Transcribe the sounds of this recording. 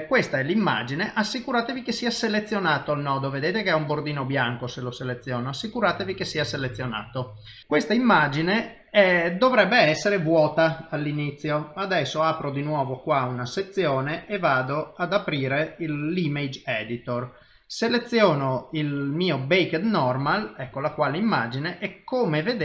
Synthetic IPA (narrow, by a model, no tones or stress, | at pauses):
kwest̪aɛlimːa̰d͡ʒineʔasːikuɾaːt̪evikesːiːaselet̪sːjonaːt̪oalnɔːd̪oved̪eːt̪ekeɛumbord̪iːnobjaŋkoseloselet̪sːjɔːnoasːikuɾaːt̪evikesːiːaselet̪sːjona̰ːt̪o | kwest̪aimːad͡ʒine | ɛd̪ovɾɛbːeɛsːeɾevwɔːt̪aalːinit̪sːjoad̪ɛsːoaːpɾod̪inwɔːvokwaunaset̪sːjoːneʔevaːd̪oad̪apɾiːɾeilːimed͡ʒɛd̪it̪or | selet̪sːjɔːnoilmiːobejked̪nɔrmalɛkːolakwaːleimːaːd͡ʒineʔɛkʰːoːmeved̪